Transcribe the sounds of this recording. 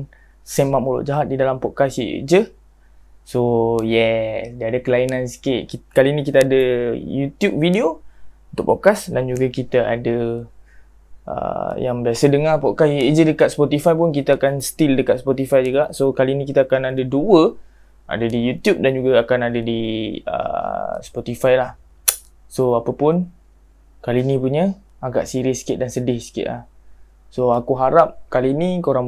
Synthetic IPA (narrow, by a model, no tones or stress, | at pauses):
sɛmap̚mulʊ̰ʔd͡ʒaɦat̪̚didalampɔʔkasiḛʔd͡ʒə | sojɛsdiəadəkəlainãnsi̥kɪʔkikalinĩkit̪əadəjut̪jup̚vidiount̪ʊk̚pɔʔ̚kasdand͡ʒuɡakit̪əa̰də | ə̰ja̰ŋbiasədəŋapɔʔkasieʔd͡ʒədəkat̪̚spɔt̪ifajpʊnkit̪aakansə̥t̪ildəkat̪̚spɔt̪ifajd͡ʒuɡaʔsokalinĩkit̪aakanadəduə | a̰dədijut̪jup̚dand͡ʒuɡaakanadədiə̰sə̥pɔt̪ifajlah | soapəpʊn | kalinipuɲə | aɡa̰ʔsiɾɪsi̥kɪʔ̚dansədɪhsi̥kɪ̰ʔ̪la̰h | soakuɦaɾap̚kalinikəoɾaŋ